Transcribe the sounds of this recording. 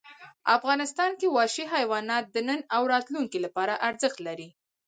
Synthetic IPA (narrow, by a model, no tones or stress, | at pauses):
afɣɑnɪst̪ɑnkewɑʃiɦajwɑnɑt̪̚d̪ənənawɾɑt̪luŋkilapɑɾaʔaɾzəxt̪laɾi